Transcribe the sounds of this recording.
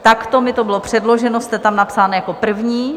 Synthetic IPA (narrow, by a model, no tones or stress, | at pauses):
t̪akt̪omɪt̪obɪlopr̝̥ɛdlo̞ʒɛnost̪ɛt̪amnapsaːnɛjakopr̩vɲiː